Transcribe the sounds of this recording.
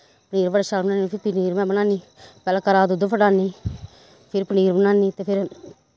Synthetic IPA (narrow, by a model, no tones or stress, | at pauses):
pəniːɾbəɖaːʃalbənaːnipʰɪɾpɪniːɾmɛ̃ːbənãːniː | pɛːlaːkəɾaːd̪ʊd̪opʰəʈaːniː | pʰɪɾpəniːɾbənaːniːt̪eːpʰɪɾ